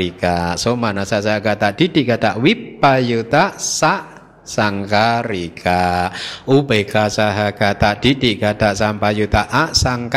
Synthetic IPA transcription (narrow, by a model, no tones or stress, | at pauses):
ikasomanasaʔsaaɡat̪aʔd̥id̥iʔkad̪aʔwipːajut̪aʔsaʔ | saŋkaɾikaʔubekasaɦaɡat̪aʔd̥idiʔkad̪̥aʔsampajut̪aʔaʔsaŋk